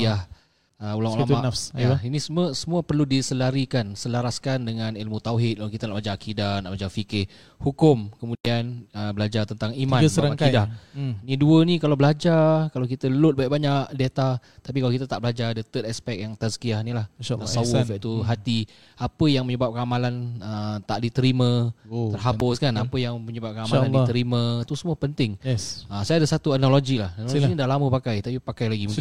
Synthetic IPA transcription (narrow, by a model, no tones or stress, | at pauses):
iah | əulalamanafsainisəmuəsəmũəpərludisəlaɾikansəlaɾaskandəŋãnilmut̪awɦɪt̪̚kalakit̪ənaʔblad͡ʒaakidanaʔbad͡ʒafikɪ | hukʊmkəmũdianəbəlad͡ʒat̪ənt̪aŋimmãnəəaɾaaakidaniduənikalawbəlad͡ʒakalawk̬it̪əlʊt̪̚bajʔbaɲaʔdet̪at̪ap̬ikalawkit̪ət̪aʔbəlad͡ʒaadət̪ət̪ɛspɛk̚jaŋt̪asə̥kiahnilahasawfɛt̪uɦat̪i | apəjaŋməɲəbap̚kanamalanət̪aʔdit̪əɾimə̃ərɦabʊskanapəjaŋməɲəbap̚kanamalandit̪əɾimə̃t̪usəmuəpənt̪ɪŋɛsəsajadəsat̪uanaloɡilahnaloɡinidalaməpakajt̪apipakajlaɡi